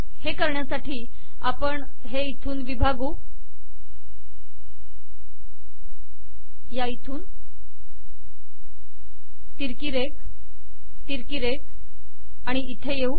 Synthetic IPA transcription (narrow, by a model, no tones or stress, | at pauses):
hekəɾɳjasaʈʰiː | apəɳ | ɦeit̪ʰuːnʋibʱaɡuː | jait̪ʰuːn | t̪iɾkiɾe | t̪iɾkiɾe | aɽ̃iʔːt̪ʰejeu